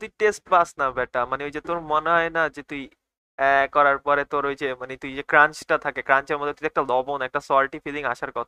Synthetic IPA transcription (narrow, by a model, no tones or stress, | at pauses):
t̪uiʈesʈ̚basnabɛʈamaneɦojd͡ʑet̪oɾmoneɦɔenad͡ʑet̪ui | ɛkːɔɾaɾpɔɾet̪oɾɦojt͡ɕʰemanet̪ujd͡ʑekɾant͡ʃʈat̪ʰakekɾant͡ɕeɾmod̪ʱːet̪uiɛk̚ʈalɔbonɛk̚ʈasɔɾʈifiliŋaʃaɾkɔt̪ʰa